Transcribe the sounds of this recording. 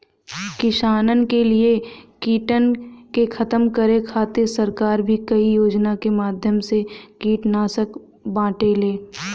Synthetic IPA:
kɪʃaːnənkeliekiːʈənkekʰɐt̪əmkəɾekʰaːt̪esəɾkaːɾbʱikɐijoːd͡ʒnakemaːd̪ʱjəmsekiːʈnaːsək | bãːʈeleː

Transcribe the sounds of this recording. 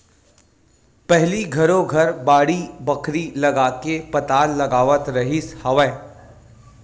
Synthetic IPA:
pɛɦliɡʱɐɾõɡʱɐɾbaːɽibɐkʰɾilɐɡaːkepɐt̪aːlːɐɡaːʋət̪ɾɐɦɪshɐʋɛ̃ː

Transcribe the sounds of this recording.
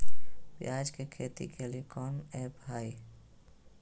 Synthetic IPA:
pjaːd͡ʒkekʰeːt̪ḭkʰeliekɔːneːbʱaːi

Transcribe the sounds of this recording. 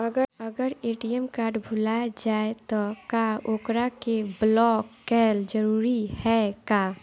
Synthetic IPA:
əɡəəɡəɾeːʈijəmkaːɾɖbʱʊlaːjd͡ʒaːet̪ɔkaːoːkɾakeblɔːkːɛːld͡ʒəɾuːɾihɛkaː

